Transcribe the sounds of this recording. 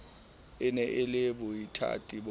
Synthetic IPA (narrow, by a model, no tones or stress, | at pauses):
ɪnɛʔɪlɪbʊitʰa̰tʼib